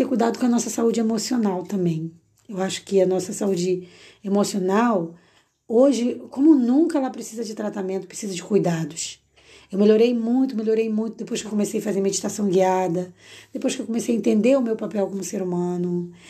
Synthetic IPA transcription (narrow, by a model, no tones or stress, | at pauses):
ekujd̪ad̪ʊkõɐnɔsɐsaud͡ʒɪemosionawt̪ɐ̃mbẽj̃ | ewaʃʊ̥kɪɐnɔsɐsaud͡ʒɪ | emosionaw | oʒɪkõmʊnũŋkɐɛlɐpɾesizɐd͡ʒɪt̪ɾat̪amẽnt̪ʊpɾesizɐd͡ʒɪkujd̪ad̪ʊʃ | ewmeloɾejmũj̃t̪ʊmelʲjoɾejmũj̃t̪ʊd̪epojʃkewk̬omesejɐfazeɾmed͡ʒit̪asɐ̃w̃ɡiad̪ɐd̪̥epojʃkɪewkõmesejɐẽnt̪ẽnd̪eʊmewpapɛwkõmʊseɾumɐ̃nʊ